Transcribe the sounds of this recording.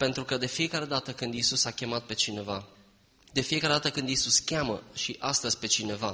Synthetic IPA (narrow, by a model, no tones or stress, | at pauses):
pe̞nt̪ɾukəd̪e̞fije̞kaɾe̞d̪at̪əkɨnd̪isusakʲe̞mat̪̚pe̞t͡ʃine̞va | d̪e̞fije̞kaɾe̞d̪at̪əkɨnd̪isuskʲamə̰ʃiʔast̪əzʲpe̞t͡ʃine̞va